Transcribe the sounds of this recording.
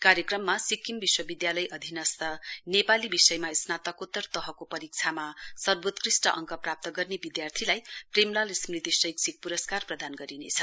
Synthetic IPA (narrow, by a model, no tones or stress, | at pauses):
kaɾjʌkrʌmːasikimbiswʌbid̪jalʌjʔʌd̪ʱinʌst̪ʰʌnepalibisʌjmaesnat̪ʌkot̪ːʌrt̪ʌɦʌkopʌɾik̚t͡sʰamasʌrbot̪krisʈʌʔʌŋkʌprap̚t̪ʌɡʌrnebid̪jart̪ʰilajpremlalismrit̪isʌjksik̚puɾʌskarprʌd̪anɡʌɾinḛt͡sʰʌ̥